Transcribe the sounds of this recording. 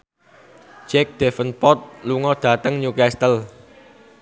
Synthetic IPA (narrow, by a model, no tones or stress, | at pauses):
d͡ʒɛk̚d̥ɛfənpɔt̪̚luŋɔd̪̥ä̤t̪əŋɲukɛst̪əl